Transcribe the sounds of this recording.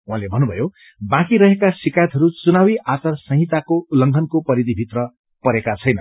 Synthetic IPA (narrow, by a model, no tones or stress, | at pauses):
wãlebʱʌnːubʱʌ̰jo | bãkiɾʌɦekasikajʌt̪ɦʌɾut͡sunawiʔat͡sʌrsʌ̃ɦit̪akoulʌŋɡʱʌnkopʌɾid̪ʱibʱit̪rʌ | pʌɾekat͡sʰʌjnʌ